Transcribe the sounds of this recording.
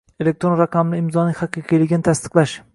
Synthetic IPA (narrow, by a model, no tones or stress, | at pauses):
elek̚t̪ɾonɾaqʰamlɪːmzɒnɪhɑqʰɨqʰijlɪɡʲnɪt̪ʰast̪ɨ̥qlˠaʃ